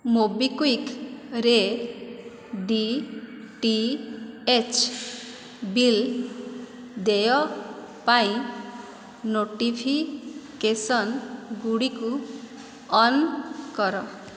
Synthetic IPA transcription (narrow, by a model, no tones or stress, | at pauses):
mobikuikɾe | ɖi | ʈi | et͡ʃʰ | bil | d̪ejɔ | paĩ | noʈipʰikesɔnɡuɽiku | ɔnkɔɾɔ